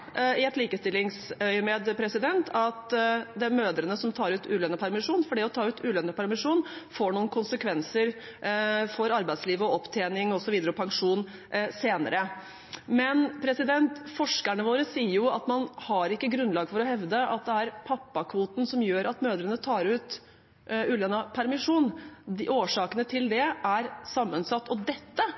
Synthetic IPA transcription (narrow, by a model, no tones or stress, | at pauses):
ɪɛt̪liːkəst̪ɪlːɪŋsœʏmɛd̪pʰɾɛsɪd̪ɛnt̪ʰɑt̪d̪ɛmøːd̪ɾənəsɔmt̪ʰɑːɾʉːt̪ʰʉːlœnːəpʰæɾmɪʂuːnfɔɖɛɔt̪ʰɑːʉːt̪ʰʉːlœnːəpæɾmɪʂuːnfoːɳuːənkʰʊnsəkʰʋɛnsəɾ | fɔɾɑɾbæɪd̪sliːʋɔɔpːt̪ʰeːnɪŋɔsɔʋiːd̪əɾɔpʰɑŋʂuːn | seːnə̰ɾə | mɛnpʰɾɛsɪd̪ɛnt̪fɔʂkæɳəʋoːɾəsiːəɾjʊɑt̪mɑnhɑɾɪkːəɡɾʉnlɑːɡfɔɾɔhɛʋd̪əʔɑt̪̚d̪ɛæɾpʰɑpːɑkʰʋuːt̪n̩sɔmjøːɾɑt̪møːd̪əɾənət̪ʰɑːɾʉːt̪ | ʉːlɛnɑpʰæɾmɪʂuːnʔoːʂɑːkənət̪ʰɪld̪ɛʔæɾsɑmːənsɑt̪ːɔd̪ɛt̪ːə